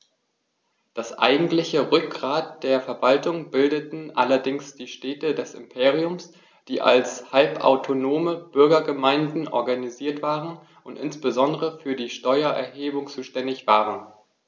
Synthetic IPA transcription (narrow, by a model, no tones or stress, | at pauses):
d̥asʔa̰ɪɡŋ̩tlɪçəʁʏk̚ɡ̥ʁaːt̚d̥eːɐfɛɐvaltʊŋbɪldətn̩ʔalɐdɪŋsd̥iːʃtɛːtədɛsɪ̰mpʰeːʁiʊms | d̥iːʔa̰lshalpa̰ʊtʰonoːməb̥ʏɐɡɐɡəmaɪndn̩ʔɔ̰ɐɡaniziːɐtv̥aːʁən | ʔʊntʔɪ̰nsb̥əzɔndəʁəfyːɐdiːʃtɔʏɐʔɛ̰ɐɦeːbʊŋt͡suːʃtɛndɪçv̥aːʁən